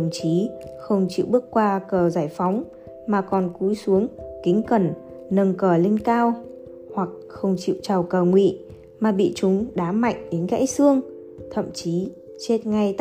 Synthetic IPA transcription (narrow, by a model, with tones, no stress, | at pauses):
wŋ͡mt͡ɕi˨˦xə˧wŋ͡mt͡ɕḭ˧˨wɓɨ˦˥əkkːwaː˧kəː˨˩zaː˧˩jfa˨˦wŋ͡m | maː˨˩kɔ˨˩nku˨˦jsu˨˦əŋkï˨˦ŋ̟kə˨˩n | nə˧ŋkəː˧˩li˧nkaː˧w | hwa˨˩k̚xə˧wŋ͡mt͡ɕḭ˧˨wt͡ɕa˨˩wkəː˨˩ŋwḭ˧˨ | maː˨˩ɓḭ˧˨t͡ɕʊ˨˦ŋ͡mɗaː˨˦ma̰˧˨jŋ̟ɗe˨˦nɣa̰ː˧˥jsɨ˧əŋ | t̪ʰə̰˧˨mt͡ɕi˨˦ | t͡ɕe˦˥t̚ŋa˧jt̪